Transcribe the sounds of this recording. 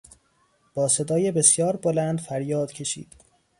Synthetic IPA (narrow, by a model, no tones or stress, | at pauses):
b̥ɒːse̞d̪ɒːjebe̞sjɒːɾbolænd̪fæɾjɒːd̪̥cʰe̞ʃḭːd̪̥